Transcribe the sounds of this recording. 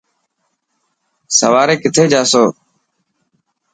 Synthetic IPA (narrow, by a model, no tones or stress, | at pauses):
sə̰ʋaːɾeːkɪt̪ʰeːd͡ʒaːsoː